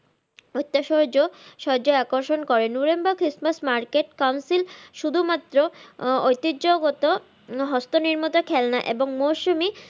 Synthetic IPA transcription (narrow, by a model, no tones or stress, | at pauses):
ojt̪ːaʃod͡ʑoʃɔd͡ʑoeakoɾʃonkɔɾenuɾembakɾismasmaɾkeʈkawnsilʃud̪ʱumat̪ːɾoojt̪ioɡot̪o | ɦɔst̪oniɾmot̪okʰɛlnaʔeboŋmoʃumi